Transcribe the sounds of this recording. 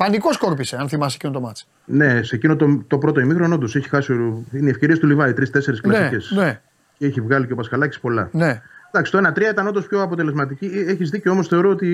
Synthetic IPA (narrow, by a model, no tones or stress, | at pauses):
pɐnikoskoɾpiseɐnθimɐs̬ecinot̪omɐt͡si̥ | ne̞secino̞t̪ot̪o̞pɾo̞t̪oimixɾono̞nd̪o̞seçi̥xɐsioineiefce̞ɾist̪ulivɐit̪ɾist̪e̞se̞ɾisklɐsice̞sne | ceeçivɣɐliceopɐskɐlɐci̥spo̞lɐned̪ɐksi̥t̪oe̞nɐt̪ɾiɐit̪ɐnond̪ospço̞ɐpo̞t̪ele̞zmɐt̪̬icieçizðicoomosθeo̞ɾoot̪i